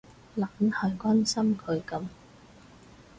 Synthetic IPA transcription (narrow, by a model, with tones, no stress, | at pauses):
la˨˥nhɐ˨˩jkʷaː˥nsɐ˥mkʰɵ˨˧ɥkɐ˨˧˥m